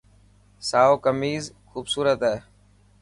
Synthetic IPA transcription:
saːoːkəmiːzxuːbsuːɾət̪ɦɛː

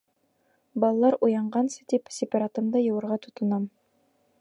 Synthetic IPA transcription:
bɑlˠɑlˠɑɾʔujɑɴɢɑnsɤ̥t̪ipsʲɪpʲɑɾat̪ɤmd̪ɑjɤ̆wɤ̆ɾʁɑt̪ŏt̪ɤ̆nɑm

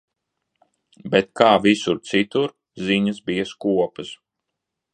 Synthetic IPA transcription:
bɛt̪̚kaːvisuɾt̪sit̪uɾ | ziɲɐsbijɐskuɔpɐs

